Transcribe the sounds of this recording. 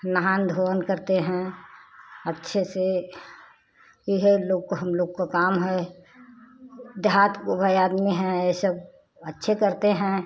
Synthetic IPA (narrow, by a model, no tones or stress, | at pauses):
nəɦaːnd̪ʱoənkəɾt̪eɦɛ̃ | ətːʃʰese | iɦeloːɡkoɦəmloːɡkokaːmɦɛ | d̪ɦat̪kobʱəjaːd̪miɦɛ̃esəb̚ | ətːʃʰekəɾt̪eɦɛ̃